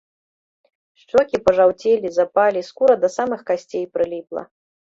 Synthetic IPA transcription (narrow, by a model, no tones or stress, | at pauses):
ʂt͡ʂɔkʲipɐʐawt͡sʲelʲizapalʲiskuɾɐd̪ɐsamɨxkasʲt͡sʲejpɾɨlʲiplˠɐ̰